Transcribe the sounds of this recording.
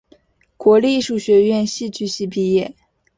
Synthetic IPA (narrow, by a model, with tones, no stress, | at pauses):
kwɔ˧˥li˥˩ʂu˥˩ɕɥɛ˧˥ɥɛ˥˧nɕi˥˧t͡ɕy˥˧ɕi˥˧pi˥˧jɛ˥˩